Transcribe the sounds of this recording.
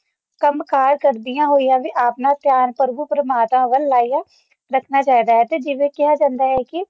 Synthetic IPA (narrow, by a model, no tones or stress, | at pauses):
kəmkaːɾkəɾd̪ɪjãːɦoːijãːʋiːʔaːpnãːt̪jaːnpəɾbuːpɾəmaːt̪mãːʋəlːaːijãː | ɾəkʰnaːt͡ʃaːid̪aːɦɛːt̪eːd͡ʒɪʋeːkɪɦaːd͡ʒãːnd̪aːɦɛːkɪ